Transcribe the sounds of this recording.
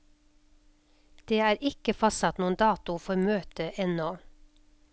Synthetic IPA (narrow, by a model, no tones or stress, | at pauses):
d̪̥eːæːɾɪkəfɑsɑt̪nuːən̩d̪ɑːt̪ʊfɔɾmøːt̪əʔɛnɔ